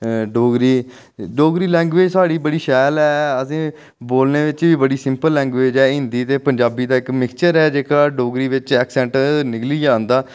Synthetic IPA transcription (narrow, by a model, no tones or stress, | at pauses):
ɖoːɡɾiː | ɖoːɡɾiːlɛ̃ːŋɡʋeːd͡ʒsaːɽiːbəɽiːʃɛːlɛːəsĩː | boːlneːʋɪt͡ʃʋiːbəɽiːsɪ̃mpəlːɛ̃ːŋɡʋeːd͡ʒɛːɪ̃nd̪iːt̪eːpəɲd͡ʒaːbiːd̪aːɪkmɪkt͡ʃəɾɛːd͡ʒeːkaːɖoːɡɾiːʋɪt͡ʃɛːksɛ̃ːɳʈnɪkliːaːnd̪aː